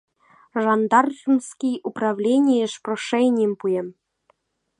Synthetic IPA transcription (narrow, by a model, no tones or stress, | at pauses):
ʐɑnd̪ɑrχmskʲijuprɑvlʲenʲijə̆ʃproʂenʲijəmpujĕm